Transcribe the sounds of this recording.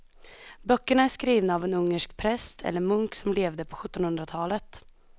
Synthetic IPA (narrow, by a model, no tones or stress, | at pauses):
bœkːəɳaæʂkɾiːvnaːvɛnɵŋːəʂkpʰɾɛst̪ʰɛ̰lːəɾmɵŋksɔmleːvd̪əpʰɔɧɵt̪ːɔnhɵnd̪ɾat̪ʰɑːlət̪